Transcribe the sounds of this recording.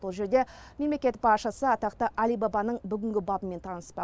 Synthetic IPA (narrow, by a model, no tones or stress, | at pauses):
olˠʒe̞ɾd̪e̞me̞mlekʲe̞t̪bɑʃəsəɑt̪ɑqt̪əʔælijbɑbɑnəɴbʏɡʲɪŋɡʲɪbɑbəme̞nt̪ʰɑnəspɑ